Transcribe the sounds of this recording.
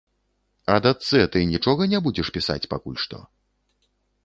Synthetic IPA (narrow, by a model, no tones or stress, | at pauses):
ɐd̪at̪sɛt̪ɨnʲit͡ʂɔɣɐnʲabud͡zʲɛʂpʲisa̰t͡sʲpakulʲʂt̪ɔ̰